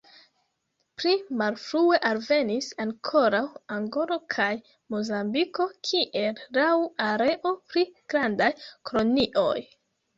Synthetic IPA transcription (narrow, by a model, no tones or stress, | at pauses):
pɾimalfɾue̞ʔalve̞nisaŋkʰo̞ɾawaŋɡo̞ɾo̞kʰaj | mo̞zambiko̞kʰiʔe̞lɾawuaɾe̞ʔo̞pɾiɡ̥ɾandajkɾo̞niʔo̞̰j